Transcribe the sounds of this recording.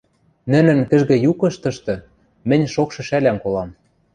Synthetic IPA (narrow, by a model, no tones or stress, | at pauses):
nɘ̆nɘ̆nkɘ̆ʒɣɘ̆jukɤ̆ʃt̪ɤ̆ʃt̪ɤ̆ | mɘ̆nʲʃokʃɤ̆ʃælæmkolɑm